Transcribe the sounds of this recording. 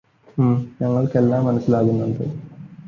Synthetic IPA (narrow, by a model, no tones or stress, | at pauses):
ɲɐŋːɐɭkelːaːmːɐnɐsːilaːɣunːuɳɖɨ̰